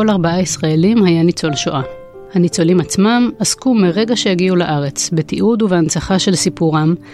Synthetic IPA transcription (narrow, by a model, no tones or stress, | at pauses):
olaʁbaʔaisʁaelimhajanit͡so̞lʃoʔa | hanit͡so̞limat͡smamaskumeʁe̞ɡaʃe̞jaɡiulaʔaʁe̞t͡sbet̪iʔud̪uveant͡saχaʃe̞lsipuʁam